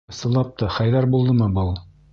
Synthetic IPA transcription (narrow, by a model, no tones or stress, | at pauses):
sɤ̆lˠɑp̚t̪ɑχɑjðæɾbulˠd̪ɤmɤbɤlˠ